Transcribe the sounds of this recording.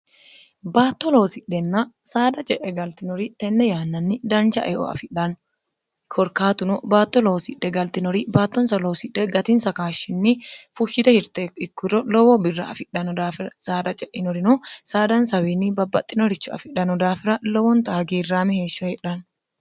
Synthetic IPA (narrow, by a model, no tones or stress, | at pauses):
baːt̪ːɔloːsɪᶑɛnːɐsaːd̪ɐt͡ʃʼɛʔɛɡɐlt̪ɪnɔɾɪt̪ɛnːɛjaːnːɐnːɪd̪ɐnt͡ʃɐ̰ʔɛʔɔ̰ɐ̰fɪᶑɐn | kʰɔɾkaːt̪ʊnɔbaːt̪ːɔloːsɪɗːɛɡɐlt̪ɪnɔɾɪbaːt̪ːɔnsɐloːsɪᶑɛɡɐt̪ɪnsɐkaːʃɪnːɪfʊʃːɪt̪ɛhɪɾt̪ekɪkːɪɾɔlɔwɔbɪrːɐ̰ɐ̰fɪᶑɐnɔd̪aːfɪɾɐsaːd̪ɐt͡ʃʼɛʔɪnɔɾɪnɔsaːd̪ɐnsɐwiːnːibɐbːɐt̪ʼːɪnɔɾɪt͡ʃːʊɐ̰fɪᶑɐnɔd̪aːfɪɾɐlɔwɔnt̪aːɡiːrːaːmɪhe̞ːʃːɔhɛᶑɐn